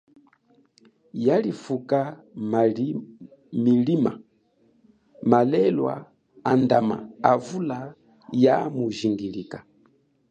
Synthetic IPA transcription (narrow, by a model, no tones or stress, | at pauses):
jalifuka | milima̰ | malɛlwa̰ː | ndama̰avula | jamuʒiŋɡilikḁ